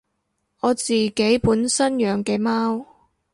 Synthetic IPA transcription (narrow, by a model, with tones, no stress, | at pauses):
ɔː˨˧t͡siː˨˩ke˨˥jpuː˨˥nsɐ˥njœː˨˧ŋkɛː˧maː˥w